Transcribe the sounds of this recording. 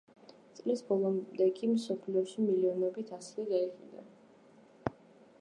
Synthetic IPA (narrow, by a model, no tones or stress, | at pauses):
t̪sʼlisbɔlˠɔmd̪ɛkʼimsɔpʰliɔʃimiliɔnɔbit̪ʰasliɡaiχid̪a̰